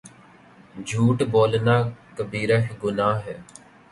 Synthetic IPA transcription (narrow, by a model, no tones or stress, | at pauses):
d͡ʒʱuːʈboːlnaːkəbiːɾəɦɡʊnaːɦɛː